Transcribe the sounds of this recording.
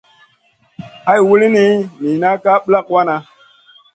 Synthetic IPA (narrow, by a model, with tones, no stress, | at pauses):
a˦jwu˦li˦ni˦mi˨na˦ka˦ɓla˦kwa˦na˨